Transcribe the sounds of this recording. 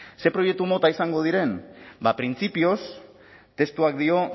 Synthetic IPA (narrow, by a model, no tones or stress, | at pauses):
se̞pɾo̞je̞k̚t̪umo̞t̪aisaŋɡo̞ð̞iɾe̞nbapɾint͡sipio̞s | t̪e̞st̪uak̚d̪io̞